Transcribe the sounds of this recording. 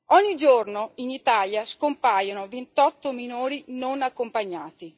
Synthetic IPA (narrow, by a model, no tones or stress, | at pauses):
ɔɲːid͡ʒornoinit̪aːljaskompaːjonovent̪ɔt̪ːominoːɾinonakːompaɲːaːt̪i